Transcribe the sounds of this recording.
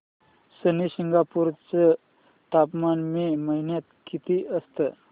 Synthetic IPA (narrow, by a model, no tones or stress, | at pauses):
səniɕiŋɡapuɾt͡sə | t̪apmanmiməɦinjat̪kit̪iʔəst̪ə